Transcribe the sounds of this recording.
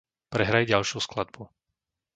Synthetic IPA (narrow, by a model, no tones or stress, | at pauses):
pɾɛɦɾajɟalʃɪusklad̪̚bu